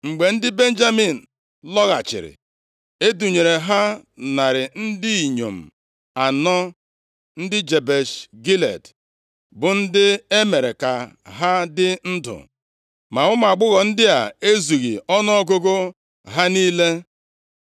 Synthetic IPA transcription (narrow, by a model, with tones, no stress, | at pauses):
ŋ͡m̩˨ɡ͡be˨n̩˦dɪ˦be˦n̩˦d͡ʒa˦mi˨n̩˨ | lɔ˦ɣa̰˨t͡ʃɪ̰˨ɾɪ̰˨ | e˦du˨ɲe˨ɾe˨ɦa˦na˨ɾɪ˨n̩˦dɪ˦i˨ɲo˨m̩˨ | a˨nɔ˦ | n̩˦dɪ˦d͡ʒe˨be˨ʃɡi˦lḛ˨d | bʊ˨n̩˦dɪ˦e˦me˨ɾe˨ka˨ | ɦa˦dɪ˦n̩˦dʊ̰˨ | ma˨ʊ˦ma˨ɡ͡bʊ˦ɣɔ˨n̩˦dɪ˦a̰˨e˦zu˨ɣḭ˨ɔ˦nɔ˦ɔ˦ɡo˦ɡo˦ | ɦa˦niː˦le˦